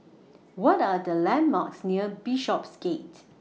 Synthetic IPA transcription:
wɔtadəlɛ̃nma̰ksniəbiʃɔpsɡet

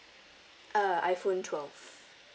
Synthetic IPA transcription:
ʔʌaɪfõntʰwɛlˠv̥

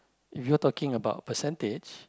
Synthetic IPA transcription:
ifjutɔkĩŋəbaʊt̚pəsɛ̃nted͡ʒ

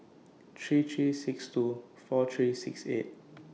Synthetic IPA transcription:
tʰɹiːtʰɹiːsɪkstu | fɔtʰɹiːsɪksḛt̚

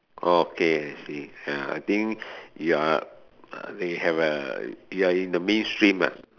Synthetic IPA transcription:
ʔookʰeat͡ʃijaa̰jt̪ĩŋjua | ʌ̰dehɛvə̰juaĩndəmẽnstɹĩma̰

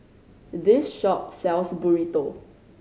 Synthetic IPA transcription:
dɪsʃɔp̚sɛlsbuɹito

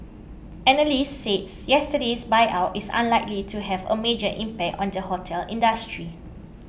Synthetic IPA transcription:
ʔɛnəlisːetsjɛstədesbaɪʔawtisã̰nlaɪklitʰuɦɛvə̰med͡ʒəʔĩmpɛk̚tɔ̰̃ndəhotʰɛlĩndəstɹi

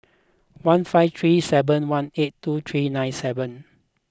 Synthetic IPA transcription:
wãnfaɪft̪ʰɹisɛvə̃nwãnetːut̪ʰɹinãj̃nsɛvə̃n

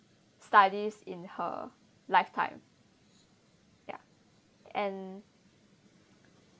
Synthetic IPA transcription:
stadisĩnhə̰ | laɪftʰã̰ɪ̃m | ja̰ | ɛ̃n

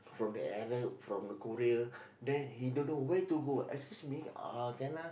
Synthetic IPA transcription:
fɹɔ̃mdə̰ɛɹəfɹɔ̃mdəkoɾiə | dɛ̃nhidõnːowetuɡoʔɛ̰kskusmiakana

